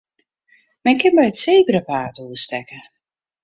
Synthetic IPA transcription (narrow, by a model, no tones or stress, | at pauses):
mɛnkɪnbɛjətseːbəɾəpaːtuəstɛkə